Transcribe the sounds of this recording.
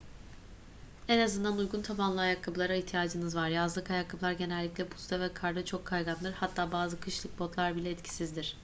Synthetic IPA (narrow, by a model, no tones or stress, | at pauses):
ɛnazɯnd̪anujɡunt̪ʰapanlˠɯajak̪ːˠabɯlˠaɾaiçt̪ʰijaːd͡ʒɯnɯzvaɾjazlˠɯkajaklˠablˠaɾɟe̞nɛlʲːiclʲɛbu̥sd̪avɛkʰaɾd̪ɯt͡ʃʰo̞kʰːajɡand̪ɯɾhat̪ʰːaːbaːzɯkʰɯʃlˠɯk̚bo̞t̪lˠaɾbilʲɛɛt̪cʰi̥sizd̪iɾ̥